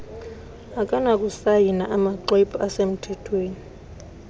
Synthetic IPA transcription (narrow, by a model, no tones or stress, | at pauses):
akʼanakʼusajinaʔamaǃwepʰʼɔasem̩tʰɛtʰweːni